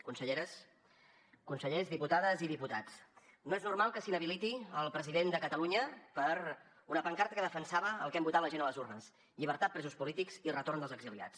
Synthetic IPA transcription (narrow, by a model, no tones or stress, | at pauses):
kunsəʎeɾəs | kunsəʎezðiput̪aðəziðiput̪at͡snoeznurmalˠkəsinəβilit̪iəlˠpɾəziðend̪əkət̪əluɲəpəɾ | unəpəŋkaɾt̪əkəðəfənsaβəəlˠkɛmbut̪at̪ləʒenələzurnəs | ʎiβ̞əɾt̪at̪̚pɾɛzuspulit̪ikz̥irət̪oɾnd̪əlˠzəɡzilia̰t͡s